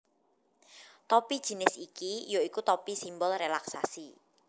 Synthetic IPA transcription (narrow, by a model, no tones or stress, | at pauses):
t̪ɔpid̥ʒ̥i̤nɪsikijoikut̪ɔpisimbɔlrelaksasi